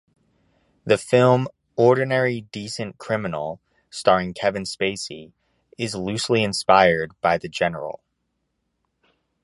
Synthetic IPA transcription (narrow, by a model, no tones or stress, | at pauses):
ðɨfɪlˠm | ɔɹdⁿn̩ɛɹidisɨ̃nkʰɹ̥ɪ̃mɨnl̩ˠ | stɑɹɪ̃ŋkʰɛvɨ̃nspeɪsi | ɪzlʉsliɨ̃nspaɪə˞d̚b̥aɪðɨd͡ʒɛnə̰˞l̩ˠ